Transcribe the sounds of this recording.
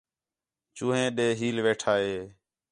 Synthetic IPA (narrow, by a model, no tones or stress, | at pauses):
t͡ʃũːɦẽːɗeːɦiːlʋeːʈʰaːɦeː